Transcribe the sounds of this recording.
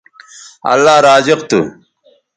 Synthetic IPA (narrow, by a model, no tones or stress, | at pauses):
ɐ̰lːaːɾaːzɪqt̪u